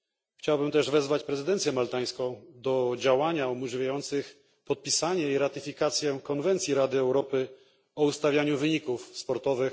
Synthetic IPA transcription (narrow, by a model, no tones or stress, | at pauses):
xt͡ɕawbɘmt̪ɛʐvɛzvat͡ɕpɾɛzɘd̪ɛnt̪sʲjɛmalt̪aj̃skɔ̃w̃d̪ɔd͡ʑawaɲaumuʐɘvʲjajɔnt̪sɘx | pɔt̪̚pʲisaɲɛiɾat̪ɘfʲikat̪sʲjɛkɔnvɛnt̪sʲiɾad̪ɘɛwɾɔpɘ | ɔust̪avʲjaɲuvɘɲikufspɔɾt̪ɔvɘx